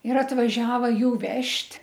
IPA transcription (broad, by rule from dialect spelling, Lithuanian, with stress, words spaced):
ɪr ɐtʋɐˈʒʲæːʋɐ ˈjuː ˈʋʲɛʃʲtʲ